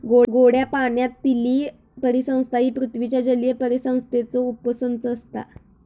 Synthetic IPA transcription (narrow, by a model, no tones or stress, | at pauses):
ɡoɡoɽjapaɳjat̪ːiliː | pəɾisə̃w̃st̪ʰaiːpɾut̪ʰʋit͡ɕjad͡ʑəljəpəɾisə̃w̃st̪ʰet͡sɔupəsənt͡səːst̪a̰